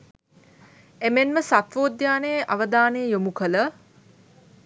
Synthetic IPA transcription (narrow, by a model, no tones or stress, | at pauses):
emenməsat̪ʋoːd̪jaːnejəʔaʋəd̪aːnejəjomukələ